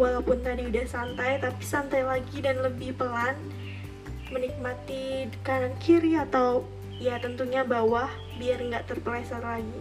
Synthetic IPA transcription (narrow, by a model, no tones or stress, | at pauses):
walawpʊnt̪adiudahsant̪ajt̪apisant̪ajlaɡidanləbɪhpəlan | mənik̚mat̪ikanankʰiɾiat̪aw | jat̪ənt̪uɲabawah | biarŋɡaʔt̪ərpəlasarlaɡi